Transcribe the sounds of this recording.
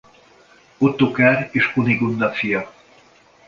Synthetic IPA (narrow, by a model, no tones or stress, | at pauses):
ot̪ːokaɾeːʃoniɡund̪ɒfijɒ